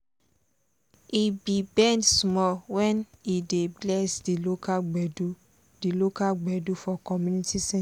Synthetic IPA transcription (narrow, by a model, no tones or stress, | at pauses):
ibibɛ̃ndsmɔwɛnideblɛsdilokaɡ͡bɛdu | dilokaɡ͡bɛdufɔkɔmũnitisɛ̃